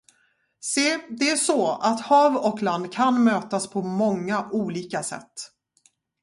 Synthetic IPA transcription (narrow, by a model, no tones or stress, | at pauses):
seːd̪ɛæʂɔat̪hɑːvɔkland̪kʰanmøːt̪aspʰɔmɔŋːaʔuːliːkasɛ̰t̪ː